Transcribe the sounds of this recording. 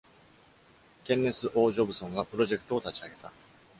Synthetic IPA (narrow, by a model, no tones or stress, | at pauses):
kẽ̞nːe̞t͡sɨʔo̞ːʑo̞bɯ̟sõ̞ŋɡapɯ̟ɾo̞ʑe̞kɯ̟t̪o̞ːt̪at͡ɕiaɡe̞t̪a̰